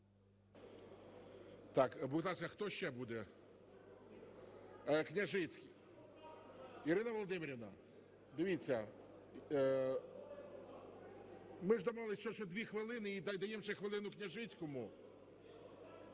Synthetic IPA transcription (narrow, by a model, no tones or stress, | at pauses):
t̪ɑkbut̪ˠɑskɐxt̪ɔʃt͡ʃːɛbud̪ɛ | knʲɐʒɪt͡sʲkʲij | iɾɪnɐʋɔlˠɔd̪ɪmʲeɾʲɪʋnɐ̰ | d̪eʋʲit͡sʲːɐ | mɪʐd̪ɔmlˠɪst͡ʃɔt͡ʃɔd̪ʲʋʲixʋɪlˠɪnɪid̪ajd̪ɐjemʂɛxʋɪlˠɪnʊknʲɐʒɪt͡sʲkɔmʊ